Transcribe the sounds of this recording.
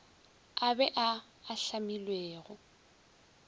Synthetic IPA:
abɛʔaː | ɬamilweːɣʊ

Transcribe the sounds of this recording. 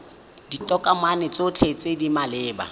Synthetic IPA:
ditʼɔkʼamanɪt͡sot͡ɬʰet͡sʼedimalɪːba̰

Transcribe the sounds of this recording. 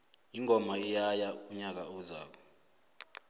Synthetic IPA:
iŋʱɔmaijajauɲak̬auza̰ːk̬ɔ

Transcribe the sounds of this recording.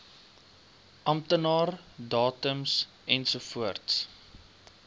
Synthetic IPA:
ʔɐmtənɑːrdɑːtəms | ʔɛnsufuərts

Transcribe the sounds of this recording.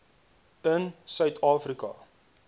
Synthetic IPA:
ənsœɥtʰɑːfrikɐ̰

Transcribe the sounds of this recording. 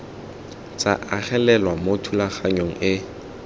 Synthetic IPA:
t͡sʼa̰ʔaχɛlɛlwamotʰulaχaɲoŋ̩ɪ

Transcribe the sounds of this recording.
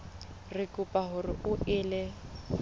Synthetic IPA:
rɪkʼʊpʼaɦʊrɪʔʊʔɪːlɛ

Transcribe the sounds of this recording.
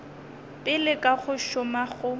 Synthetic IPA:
pʼɪlɪkʼaɣʊʃʊmaɣʊ

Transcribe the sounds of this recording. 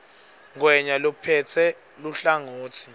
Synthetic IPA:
ŋwɛɲalupʰɛt͡sʰɛ | luɬaŋoːtʰi̥

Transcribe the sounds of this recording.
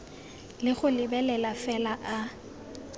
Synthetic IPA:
lɪχʊlɪbɛlɛlafɛlaʔa

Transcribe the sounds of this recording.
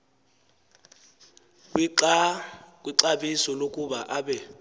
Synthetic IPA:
k̬ʼwiǀaɓisɔlokʼuɓaʔaɓɛ

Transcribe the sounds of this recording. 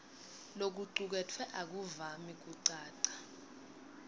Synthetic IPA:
lok̬uǀuk̬ɛtʰwɛʔak̬uvamik̬uǀaːǀḁ

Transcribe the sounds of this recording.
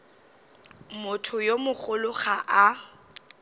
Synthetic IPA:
mʊtʰʊjomʊχʊlʊχaʔa

